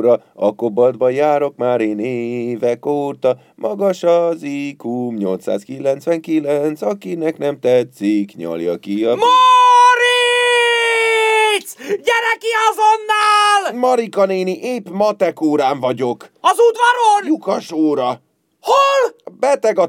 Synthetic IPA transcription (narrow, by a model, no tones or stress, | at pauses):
ɾɒ | ɒ̰kobɒd̪bɒjaːɾo̞kmaːɾeːneːvɛkoːt̪ɒ | mʔɒɡɒʃɒzikumɲo̞lt̪sa̰ːskilɛnt̪sʋɛŋkilɛnt̪sɒkinɛknɛmt̪ɛt̪sikɲɒ̰ljɒ̰kiɒmoɾi | t̪sɟɛɾɛkiɒzonːaːlmɒɾikɒneːniʔeːpmɒt̪ɛkoːɾaːɱvɒɟo̞kɒzud̪vɒɾonjukɒʃoːɾɒ | holbɛt̪ɛɡɒ